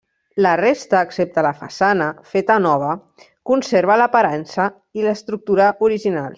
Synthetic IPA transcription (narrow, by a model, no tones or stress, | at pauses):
lərest̪əːksep̚t̪ələfa̰sanəfet̪ənɔβ̞ə | kunseɾβələpaɾansə | iləst̪ɾuk̚t̪uɾəʔuɾiʒina̰lˠ